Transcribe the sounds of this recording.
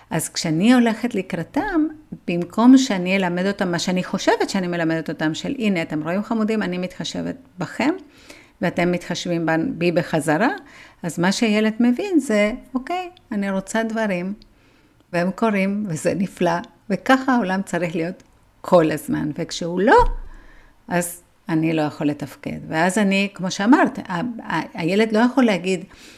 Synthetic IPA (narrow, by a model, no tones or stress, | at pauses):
ʔazkʃeanio̞le̞χetleikʁatamb̥imkʰo̞mʃe̞anielame̞do̞t̪amːaʃeaniχo̞ʃe̞vetʃeanime̞lamed̪et̪o̞t̪amʃe̞lʔine̞at̪e̞mʁo̞imχamudimanimit̪χaʃe̞̰vḛt̪̚ | baχe̞m | veate̞mːit̪χaʃvimbanbibeχazaʁaazmaʃeaje̞le̞d̪me̞vinze̞oke̞janiʁo̞t͡sadvaʁim | vehemko̞ʁimvezḛnifla | ve̞kaχaao̞lamt͡saʁiχlijo̞t̪ | kʰo̞lazma̰nvekʃeulo̞ | ʔaz | anilo̞jaχo̞lːe̞t̪afke̞̰dveazanikmo̞ʃeamaʁt̪aaje̞le̞dlo̞jaχo̞lːehaɡid